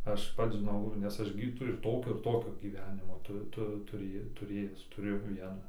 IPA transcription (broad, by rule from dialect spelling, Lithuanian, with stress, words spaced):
ˈɐʃ ˈpɐts ʒʲɪˈnɐʊ nʲɛs ˈɐʃ ɡʲɪ tɐɪ ɪr ˈtoːkʲoː ɪr ˈtoːkʲoː ɡʲiːˈʋʲæːnʲɪmoː ˈtʊ ˈtʊ tʊˈrʲeːj tʊˈrʲeːjæːs tʊˈrʲeːjɛʊ ˈʋʲiɛnɐ